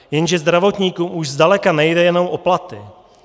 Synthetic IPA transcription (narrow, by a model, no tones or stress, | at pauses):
jɛnʒɛzd̪ɾavo̞t̪ɲiːkuːmʔuʒzdalɛkanɛjdɛjɛnowʔo̞plat̪ɪ